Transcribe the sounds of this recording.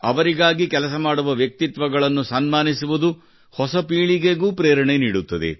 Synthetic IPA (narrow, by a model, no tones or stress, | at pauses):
ɐ̰ʋɐɾiɡaːɡikɛlɐsɐmaːɽuʋɐʋjɐk̚t̪it̪ʋɐɡɐɭɐnːusɐnmaːnisuʋud̪u | hɔsɐpiːɭiɡeɡuːpɾeːɾɐɳeniːɽut̪ːɐd̪ḛ